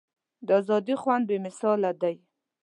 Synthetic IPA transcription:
d̪əazɑd̪ixwand̪̚bemɪsɑlad̪aj

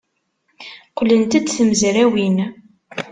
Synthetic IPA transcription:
qlːənt̪æt͡sːθəməzɾæwin

